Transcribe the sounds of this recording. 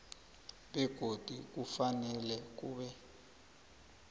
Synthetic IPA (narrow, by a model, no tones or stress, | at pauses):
ɓɛɡ̥ʱod̥ʱik̬ufanɛlɛk̬uːɓɛ